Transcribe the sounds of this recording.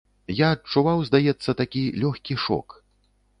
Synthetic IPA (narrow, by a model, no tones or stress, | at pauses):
jaɐt͡ʂːuvawzd̪ajɛt̪sːɐt̪akʲilʲɔxʲkʲiʂɔ̰k